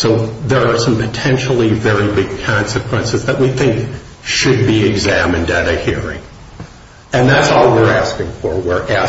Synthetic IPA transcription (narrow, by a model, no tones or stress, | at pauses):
soʊðə˞ːsʌ̃mpʰɨtʰɛ̃nʃl̩ˠivɛɹibɪɡ̚kʰɑ̃nsɨkʰw̥ɛ̃nsɨzðɨt̚wiθɪ̃ŋk | ʃɨd̚biɪɡzæmɨ̃ndɨɾɨhiɹɪ̰̃ŋ | ɨ̃nðætsɔlˠwɪɹæskɪ̃ŋfə˞wɪɹʔæ